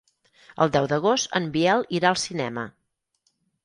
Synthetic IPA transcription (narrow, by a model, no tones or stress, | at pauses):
ə̰lˠd̪ɛwd̪əɣ̞ost̪əmbiɛlˠiɾaəlˠsinɛ̰mə̰